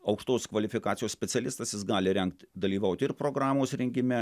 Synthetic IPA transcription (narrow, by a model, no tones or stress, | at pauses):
ɐʊkʃt̪oːskʋɐlʲɪfʲɪkɑːt̪sʲɪjoːsʲpʲɛt̪sʲɛlʲɪst̪ɐsjɪsɡɑːlʲɪɾʲɛŋk̚t̪ʲd̪ɐlʲiːʋɐʊt̪ʲɪrpɾoːɡɾɑːmoːsɾʲɛŋʲɡʲɪmʲɛ